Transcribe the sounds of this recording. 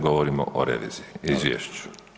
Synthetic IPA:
ɡoʋoɾimo̰ʔoɾḛʋḭːz̥iiizʋjḛʃt͡ɕu̥

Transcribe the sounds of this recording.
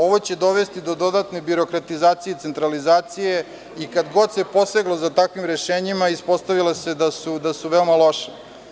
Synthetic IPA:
o̞ʋot͡ɕed̪o̞ʋe̞st̪id̪o̞d̪o̞d̪at̪ne̞biɾo̞kɾat̪izaːt̪sijet̪se̞nt̪ɾalizaːt̪sije | ikad̪ɡo̞d̪se̞po̞seɡlo̞zat̪akʋimɾeʃeːɲimaispo̞st̪aʋilase̞d̪asud̪asuʋeomalo̞ʃe̥

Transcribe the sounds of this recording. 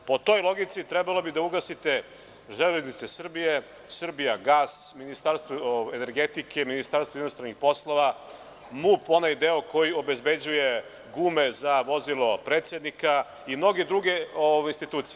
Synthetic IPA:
po̞t̪o̞jlˠo̞ɡit̪sit̪ɾɛbalobid̪auɡasit̪e̞ | ʒeleznit̪sesr̩bije | sr̩bijaɡaːsminist̪aɾst̪voeneɾɡet̪ikʰe̞minist̪aɾst̪oinost̪ɾanixpo̞slˠo̞ʋa | mupo̞najd̪eoko̞jio̞be̞zbe̞d͡ʑuje̞ | ɡuːmezaʋo̞zilˠo̞pɾet̪sjed̪nika | imno̞ɡed̪ɾuɡe̞oinst̪it̪uːt̪sije

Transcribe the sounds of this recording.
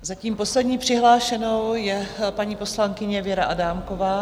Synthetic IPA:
zaciːmpo̞slɛdɲiːpr̝̥ɪɦlaːʃɛno̞wjɛpaɲiːpo̞slaŋkɪɲɛvjɛɾaʔadaːmko̞vaː

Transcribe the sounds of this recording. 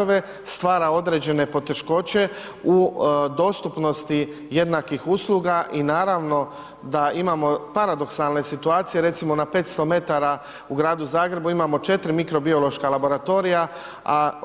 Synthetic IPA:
oʋe̞ | st̪ʋaːɾao̞d̪ɾe̞d͡ʑe̞ne̞po̞t̪e̞ʃko̞t͡ɕe̞ | ud̪o̞ːst̪upno̞st̪i | je̞d̪nakixuslˠuːɡaʔinaːɾaʋno̞ | d̪aimaːmo̞paɾad̪o̞ksalˠne̞sit̪uaːt̪sije̞ɾe̞t̪simo̞nape̞ːt̪st̪o̞me̞t̪aɾa | uɡɾaːd̪uzaːɡɾe̞buimamo̞t͡ʃe̞t̪ɾimikɾo̞bio̞lo̞ʃkalabo̞ɾat̪o̞ɾija | a

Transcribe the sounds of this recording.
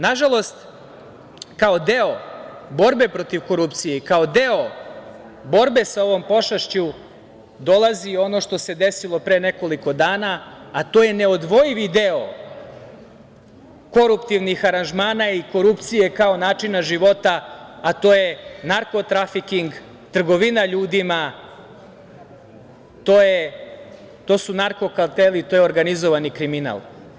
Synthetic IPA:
naʒalˠo̞st̪ | kao̞d̪eo | bo̞ɾbe̞pɾo̞t̪iʋko̞ɾupt̪sijeikaod̪eo | bo̞ɾbe̞sao̞ʋo̞mpo̞ʃaʃt͡ɕu | d̪o̞lˠazio̞no̞ʃt̪o̞se̞d̪e̞silˠo̞pɾene̞ko̞liko̞d̪aːnaːt̪oːje̞ne̞o̞d̪ʋo̞jiʋid̪eo | ko̞ɾupt̪iʋnixaɾanʒmaːnaiko̞ɾupt̪sije̞kao̞naːt͡ʃinaʒiʋo̞t̪aːt̪o̞ːjenaɾko̞t̪ɾafikiŋɡ | t̪r̩ɡo̞ʋinaʎuːd̪ima | t̪oːje | t̪o̞sunaɾko̞kalˠt̪elit̪ojeo̞ɾɡanizoʋanikɾimina̰lˠ

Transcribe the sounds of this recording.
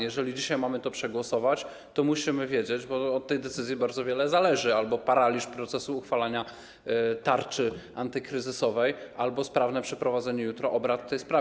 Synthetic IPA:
jɛʐɛlʲid͡ʑiɕajmamɘt̪ɔpʂɛɡwɔsɔvat͡ɕ | t̪ɔmuɕimɘvʲjed͡ʑed͡ʑbɔɔt̪ːɛjd̪ɛt̪sɘzʲjibaɾd̪zɔvʲjɛlɛzalɛʐɘalbɔpaɾalʲiʂpɾɔt̪sɛsuːxfalaɲa | t̪aɾt͡ʂɘʔant̪ɘkɾɘzɘsɔvɛjalbɔspɾavnɛpʂɛpɾɔvad̪zɛɲɛjut̪ɾɔʔɔbɾat̪ːɛjspɾa

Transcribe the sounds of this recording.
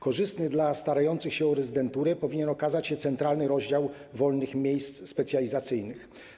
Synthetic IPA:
kɔʐɘst̪nɘd̪last̪aɾajɔnt̪sɘxɕɛɔɾɛzɘd̪ɛnt̪uɾɛpɔvʲiɲɛnɔkazat͡ɕɕɛt̪sɛnt̪ɾalnɘɾɔʑd͡ʑaw | vɔlnɘxmʲjejst̪sspɛt̪sʲjalʲizat̪sɘjnɘx

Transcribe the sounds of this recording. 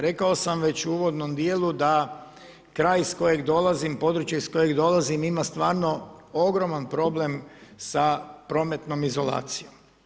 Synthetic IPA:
ɾe̞kao̞samʋe̞t͡ɕuuʋo̞d̪no̞md̪jelud̪a | kɾaːjisko̞je̞ɡd̪o̞lazimpo̞d̪ɾut͡ʃjaisko̞je̞ɡd̪o̞lazimimast̪ʋaːɾno̞oɡɾo̞manpɾo̞ble̞msapɾo̞ːme̞t̪no̞mizo̞la̰ːt̪sijo̞m

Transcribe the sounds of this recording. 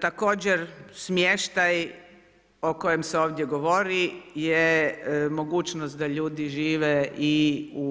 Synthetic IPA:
t̪ako̞ːd͡ʑeɾsmjeʃt̪aj | o̞ko̞jemseoːʋd̪ʲjeɡo̞ʋoɾijemo̞ɡuːt͡ʃnost̪̚d̪aʎuːd̪iʒiːʋeiu

